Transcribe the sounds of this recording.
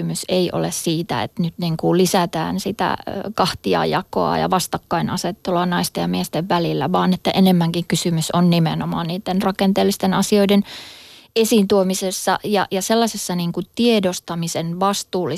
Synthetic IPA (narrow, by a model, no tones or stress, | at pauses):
myseiʔo̰lessiːt̪æ̰ḛt̪nyt̪niŋkulisæt̪æ̰ːnsit̪æ̰kɑht̪iɑ̰ːjɑko̰ɑ̰jɑ̰ʋɑst̪ɑkːɑinɑset̪ːoloɑˑnɑist̪ejjɑmiest̪eʋʋælilːæʋɑːnet̪ːæʔenemːæŋkiŋkysymysonnimenomɑ̰ːnniːt̪ːenrɑkent̪eːlːist̪enɑsioiden | esiːnt̪uomisesːɑjɑjɑselːɑsesːɑniːŋkutt̪iedost̪ɑmisenʋɑst̪uːlːi